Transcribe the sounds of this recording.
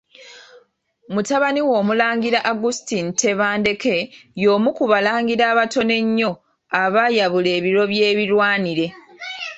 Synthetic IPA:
mutaβaniwo̞ːmulaːŋɡiɾaʔaɡustinte̞βaːnde̞ke̞jo̞ːmukuβalaːŋɡiɾaːβato̞ne̞ɲːo̞ | aβajaβule̞ːβiɾo̞βje̞ːβiɾwaːniɾe̞

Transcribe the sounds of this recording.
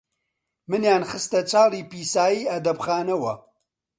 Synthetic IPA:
mɨnjaːnxɨst̪ɐt͡ʃʰaːliːpiːsaːjiːɐd̪ɐbxaːnɐwɐ

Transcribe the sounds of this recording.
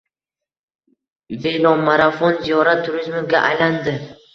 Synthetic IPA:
velɒmːaɾafɒnzijɒɾat̪ʰːʊɾɪzmɪɡʲaʔajland̪ɪ

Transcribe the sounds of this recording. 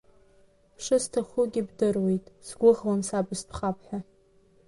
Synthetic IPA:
ʂɨstʰaχʷʊɡʲɪbdɨrwejtʼsɡʷʊʁwansabɨspʰχapʰħʷᶣa

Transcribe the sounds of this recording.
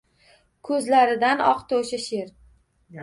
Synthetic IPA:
kʰɵzlaɾɪd̪anɒqt̪ʰoʃaʃeɾ

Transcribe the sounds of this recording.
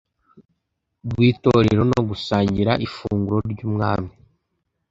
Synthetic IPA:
ɡwiːto̞ɾeɾo̞no̞ɡusaːɲɟiɾaʔifuːŋɡuɾo̞ɾɟuːmŋa̰ːmi

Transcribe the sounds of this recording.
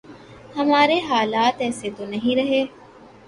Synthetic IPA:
hɐmaːɾeːɦaːlaːt̪ɛːset̪onɐɦĩɾɐɦeː

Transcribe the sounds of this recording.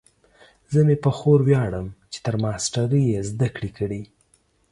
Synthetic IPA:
zəmepəxoɾwjɑɽəmt͡ʃe̥t̪əɾmɑsʈaɾəjezd̪akɽikəɽi

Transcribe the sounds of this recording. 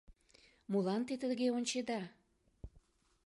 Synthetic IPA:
mulɑnt̪et̪əɣeonʲt͡ɕed̪ɑ

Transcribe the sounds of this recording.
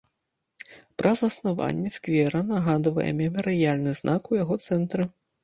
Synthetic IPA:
pɾʔɐzɐsnava̰nʲːɛskvʲɛɾɐnaɣad̪vɐ̰jɛ̰mʲɛmʲɛɾɨjalʲnɨznʔakujaɣɔt̪sɛnt̪ɾɨ

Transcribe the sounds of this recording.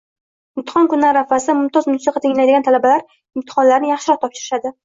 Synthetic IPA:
ɪmt̪ʰɪ̥χɒnkʊnːaɾːafasɪmʊmt̪ʰɒzmʊnsiqɑt̪ʰɪŋlajd̪ɪɡʲant̪ʰalabalaɾ | ɪmt̪ʰɪ̥χɒnlaɾnɪjaχʃɪɾɒt̪ʰːɒpʃɪɾɪʃad̪ɪ

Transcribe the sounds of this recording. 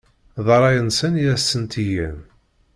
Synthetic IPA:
ðˤɑɾˤɑjənsəniæsːənt̪ijæn

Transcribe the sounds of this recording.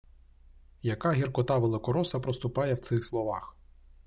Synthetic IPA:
jɐkɑɦʲirkɔt̪ɑʋelˠɪkɔɾɔsɐpɾɔst̪ʊpɑjɛwt̪sɪxslˠɔʋɑ̰x

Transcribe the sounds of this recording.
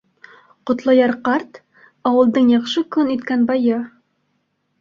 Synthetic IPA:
qŏt̪lˠɑjɑɾqɑɾt̪ | ɒwɤ̆lˠd̪ɤɴjɑχʃɤkɵnit̪kænbɑjɤ

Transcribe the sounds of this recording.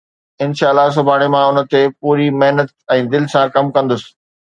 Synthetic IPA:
ɪnʃaːlːas̬ʊbʱaːɽ̃emãʊnə̆t̪epuːɾimeɦnət̪̚ɛ̃ːd̪ɪlsãkɐmkɐ̃nd̪ʊsɪ̥̆

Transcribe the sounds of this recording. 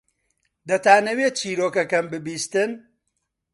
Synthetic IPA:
d̪ɐt̪aːnɐweːt͡ʃʰiːɾoːkɐkɐmbɨbiːst̪ɨn

